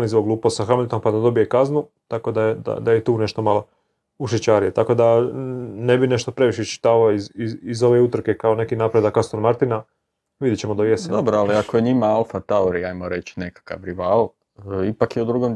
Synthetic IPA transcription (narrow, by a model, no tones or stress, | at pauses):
nizboɡluːpost̪saxamlʲt̪o̞mpad̪ad̪o̞bije̞kaznu | t̪ako̞d̪ajed̪a̰d̪ajet̪uːne̞ʃt̪o̞malo | uʃet͡ɕaɾijet̪ako̞d̪a | ne̞bine̞ʃt̪o̞pɾe̞ʋiʃet͡ʃi̥t̪aːʋaoizizizo̞ʋeut̪r̩ke̞kaone̞kinaːpɾe̞d̪akːast̪onmaɾt̪ina | ʋid̪jet͡ɕemod̪ajesend̪obɾoaliakojeɲimaalˠfat̪aoɾiajmoɾet͡ʃnekḁka̰ʋɾiʋaːl | ipakjeud̪ɾuɡom